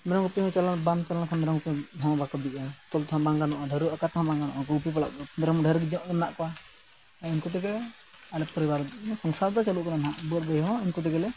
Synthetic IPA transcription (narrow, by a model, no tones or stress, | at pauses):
mɛɾɔŋɡɔpihɔ̃t͡ʃalanbamt͡ʃalankʰanmɛɾɔŋt̪ɛɔ̃bakɔd̪iʔat̪ɔlt̪ʰãbaŋɡanɔʔaɖʱəɾuakat̪ʰɦãbaŋɡanɔ̰ʔɔɡɔpipala̰ʔkɔmɛɾɔmɖʱəɾɡid͡ʒɔʔmnaʔkɔwa | ainkut̪̬ɛɡɛlɛ | alɛpəɾibaɾsɔŋsaɾd̪ɔt͡ʃaluʔkɔnanɦãʔbuɾ̚bəjɦɔ̃inkut̪ɛɡɛlɛ